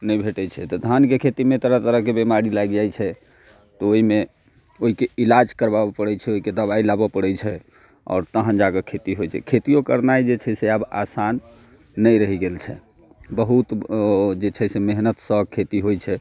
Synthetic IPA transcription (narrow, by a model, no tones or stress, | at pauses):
nəjbʱeʈɛt͡ʃʰɛt̪ɔd̪ʱankekʰet̪imẽt̪əɾət̪əɾəɦkebemaɾilaɡd͡ʒajt͡ʃʰɛ | t̪ɔoɦime | oɦikeilad͡ʒkəɾbabepəɽɛt͡ʃʰɛoɦiked̪əβailabəpəɽɛt͡ʃʰɛ | ɔ̰ːɾt̪əɦə̃nd͡ʒakekʰet̪iɦojt͡ʃʰɛ̰kʰet̪ijokəɾnajd͡ʒet͡ʃʰɛseaba̰sanː | əjɾəɦiɡelt͡ʃʰɛ̰ | bəɦut̪d͡ʒet͡ʃʰɛsemeɦnət̪səkʰet̪iɦojt͡ʃʰɛ